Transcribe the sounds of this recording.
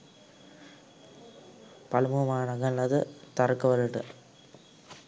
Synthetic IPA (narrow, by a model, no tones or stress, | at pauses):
pɐlɯmumaːnɐɣɐlɐðɯt̪ɐɾɯkːɯʋɐlɯʈɯ̰